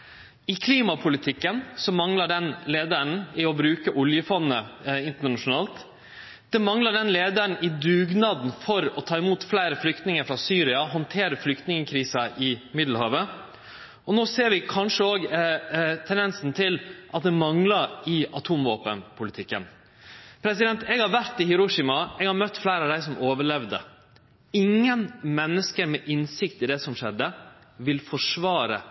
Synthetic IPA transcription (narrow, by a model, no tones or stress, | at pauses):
ɪkʰliːmɑpʰʊlɪt̪ʰɪkːənsɔmɑŋləɖɛnleːd̪æɳ̩ɪɔbɾʉːkəʔʊljəfɔnːəɪnt̪əɳɑʂʊnɑːlt̪ | d̪̥ɛmɑŋləɖɛnleːd̪ən̩ɪd̪ʉːɡnɑːd̪nfɔɾɔt̪ʰɑːɪmuːt̪flæːɾəflʏkt̪nɪŋəɾfɾɑːsyːɾɪɑɦɔnt̪ʰeːɾəflʏkt̪nɪŋəkʰɾiːsɑʔɪmɪd̪l̩hɑːʋə | ɔnoːseːɾʋɪkʰɑnʂəoːɡ | t̪ʰɛnd̪ɛnsn̩t̪ʰɪlʔɑt̪̚d̪ɛmɑŋlɑɾɪɑt̪ʰuːmʋoːpənpʰʊlɪt̪ʰɪkːə̰n | pʰɾɛsɪd̪ɛnt̪ɛːɡhɑɾʋæɾt̪ːɪhɪɾʊʂɪmɑɛɡhɑɾmœt̪ːflæɪɾəɑʋd̪æɪsɔmʔoːʋəɭɛʋd̪ə̰ | ɪŋːənmɛnːəskəɾmɛʔɪnsɪkt̪ɪd̪ɛsɔmʂɛd̪ːə | ʋɪlfɔʂʋɑːɾə̰